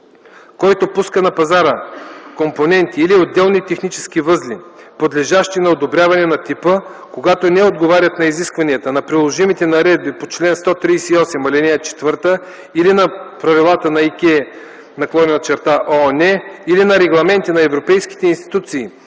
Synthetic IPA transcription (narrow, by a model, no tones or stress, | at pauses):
kɔjt̪opuskənɐpɐzaɾəkomponɛnt̪iːliod̪ːɛlˠnit̪ɛxnit͡ʃɛ̥skivɤzlʲi | pod̪lɛʒaʃt̪inɐod̪obɾʲjavɐnɛnɐt̪ipə | koɡat̪onɛod̪ɡovaɾʲɐt̪nɐiziskvɐniət̪ənɐpɾilˠoʒimit̪ɛnɐɾɛd̪̚bipot͡ʃlɛnst̪ɔt̪ɾijsɛiɔsɛmɐlinɛt͡ʃɛ̥t̪vɤɾt̪ə | ilinɐpɾɐvilˠat̪ənɐikʲɛ | nɐklˠɔnɛnɐt͡ʃɛɾt̪aʔonɛilinɐɾɛɡlˠɐmɛnt̪inɐɛvɾopɛjski̥t̪ɛinst̪i̥t̪ut̪siː